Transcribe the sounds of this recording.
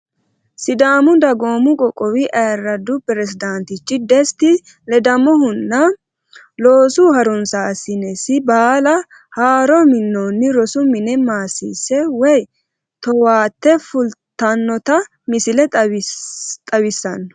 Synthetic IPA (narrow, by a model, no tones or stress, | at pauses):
sɪd̪aːmʊd̪ɐɡoːmʊkʼɔkʼɔwɪʔɐjɐɾːɐd̪ʊpɪɾɛsɪd̪ɐnt̪ɪt͡ʃːɪd̪ɛst̪ɪ | lɛd̪ɐmɔɦʊnːɐ | lo̞ːsuːɦɐɾɔnsasːɪnɛsɪbaːlɐ | haːɾɔmɪnːoːnːɪɾɔsʊmɪnɛmaːsḭːsɛwɛj | t̪ɔwaːt̪ːɛfʊlt̪ːɐnːɔt̪ɐ | mɪsɪlɛ | t̪ʼɐwɪsːɐnːɔ̥